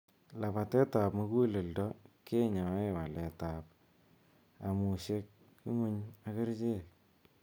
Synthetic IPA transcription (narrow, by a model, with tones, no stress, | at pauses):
la˨pa˨te˦ta˨pmu˦ku˦lɪ˨ldɔ˦ke˦ɲa˨˦e˦wa˨le˨ta˨p̚ | a˨mu˨ʃe˦k̚ː | u˦ŋu˦ɲa˦ki˦ɾt͡ʃe˦